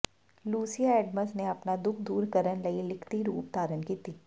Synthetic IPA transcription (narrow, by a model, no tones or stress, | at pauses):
luːsijaɛːɖməsneɐpnad̪ʊk̚ʰd̪uːɾkəɾənlɐilɪkʰt̪iɾuːp̚t̪aːɾənkiːt̪iː